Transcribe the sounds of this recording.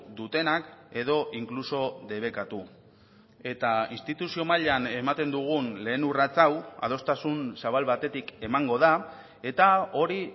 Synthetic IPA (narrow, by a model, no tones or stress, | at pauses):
d̪ut̪e̞nake̞ð̞o̞ʔiŋkluso̞ðe̞β̞e̞kat̪u | e̞t̪ainst̪it̪usio̞maʎeane̞mat̪e̞nd̪uɣ̞unle̞ːnurat͡sawa̰ð̞o̞st̪asunsaβalβat̪e̞t̪ike̞maŋɡo̞ð̞a | e̞t̪ao̞ɾi